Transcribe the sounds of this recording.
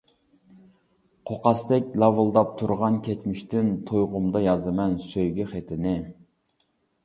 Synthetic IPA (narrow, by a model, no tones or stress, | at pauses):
qʰoqɑst̪ɛkʲlˠɑwɨlˠd̪ɑp̚t̪ʰuɾʁɑnkʲʰɛt͡ʃmɪʃt̪ɪnt̪ʰojʁʊmd̪ɑjɑzɨmɛnsøjɡʲiχet̪ʰɪnɪ